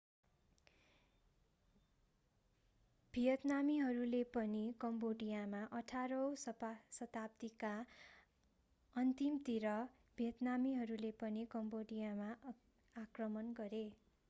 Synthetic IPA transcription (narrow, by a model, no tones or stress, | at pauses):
b̥ʱijʌt̪namiɦʌɾulepʌnikʌmboɖijamaʔʌʈʰaɾʌwsʌsʌt̪apt̪ika | ʌnt̪imt̪iɾʌ | b̥ʱijʌt̪namiɦʌɾulepʌnikʌmboɖijama | akrʌmʌnɡʌɾe